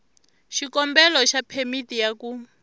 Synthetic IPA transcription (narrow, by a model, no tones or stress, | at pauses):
ʃikɔmbɛlɔʃapʰemitijaku